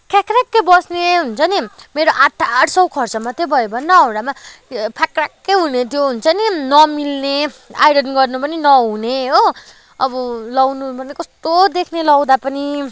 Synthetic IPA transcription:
kakrakːebʌsneɦunt͡sʰʌnimeɾoʔaʈʰːaːʈʰsʌwkʰʌrt͡sʌmʌt̪ːebʱʌjobʱʌnːʌːwɽamapʰakrakːejɦunet̪ʰjoɦunt͡sʰʌninʌmilnea̰jɽʌnɡʌrnupʌninʌɦuneɦo | ʌbʌlʌwnubʌnekʌst̪od̪ekʰnelʌwd̪apʌni

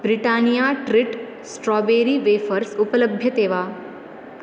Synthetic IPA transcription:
bɾiʈanijaʈɾiʈ | sʈɾɔbeːɾiːʋeːfəɾsupələbʱjət̪eːʋaː

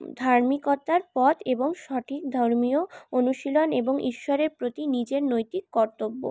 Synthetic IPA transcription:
d̪ʱaɾmikot̪ːaɾpɔt̪ʰeboŋʃɔʈʰik̚d̪ʱɔɾmioonuʃiloneboŋʔḭʃːɔɾeɾpɾot̪inid͡ʑeɾnojt̪ikːɔɾt̪obːo̰

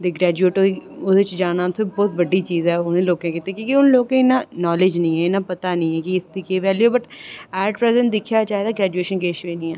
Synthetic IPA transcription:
d̪eːɡɾɛːd͡ʒueːʈoːɾiʊɪt͡ʃd͡ʒaːñãːt̪ʰobɔːt̪bəɖːiːt͡ʃiːzɛːʊnẽːloːkẽːkit̪eːkĩːkiʊnloːkẽɪnaːnɔːlɪd͡ʒnəĩːɛːɪnãːpət̪aːnəĩːɛːkɪɪsd̪iːkeːʋɛːlijoːbəʈɛːɖpɾɛːzəɳʈd̪ɪkʰjaːt͡ʃaːɦed̪aːɡɾɛːd͡ʒueːʃənkeːʃʋeːniːɛ̃ː

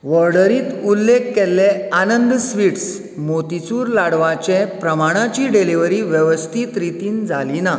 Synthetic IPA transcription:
ʋəɾɽəɾiːt̪ulːekːɛlːeanənd̪sʋiʈs | mot̪it͡suːɾlaɽʋat͡ɕepɾəmaɽ̃at͡ɕiːɖeliʋəɾiːʋjəʋəst̪ʰiːt̪ɾit̪iːnd͡zʱalina

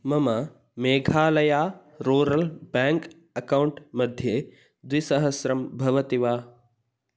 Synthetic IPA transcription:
mɐmɐ | meːɡʱaːlɐjaː | ɾuːɾɐlbaːŋk | ɐkɐwɳʈmɐd̪ʱje | d̪ʋisɐɦɐsɾɐmbʱɐʋɐt̪iʋaː

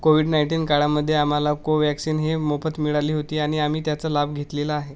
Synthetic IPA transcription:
koʋiːɽnajɳʈiːnkaɽaməd̪ʱːjeam̤alakoʋjæksiːnɦemofət̪miɭaliːɦot̪iːaɽ̃iam̤iːt̪jat͡səlab̚ɡʱet̪lelaaɦe

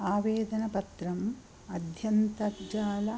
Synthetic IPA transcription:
aːʋeːd̪ɐnɐpɐt̪ɾɐm | ɐd̪ʱjɐnt̪ɐd͡ʒaːlɐ

